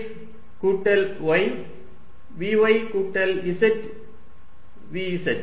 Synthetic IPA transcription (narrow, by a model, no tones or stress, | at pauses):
kuːʈːɐlʋɐɪ | ʋiːʋɐɪkuːʈːɐlisɐʈ | ʋiisɐʈ